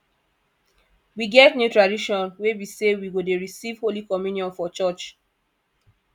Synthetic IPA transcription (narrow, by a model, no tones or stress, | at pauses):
wiɡɛtnjutɹadiʃɔ̃nwewisewiɡodeɹisiv̥holikɔmjunjɔ̃nfɔt͡ʃɔt͡ʃ